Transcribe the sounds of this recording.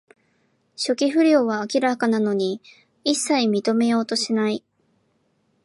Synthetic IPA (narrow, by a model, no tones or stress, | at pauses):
ɕo̞kʲiɸɯ̟ɾʲjo̞ːβaːkʲiɾakanano̞ɲ̟i | isːaimʲit̪o̞me̞jo̞ːt̪o̞ɕinai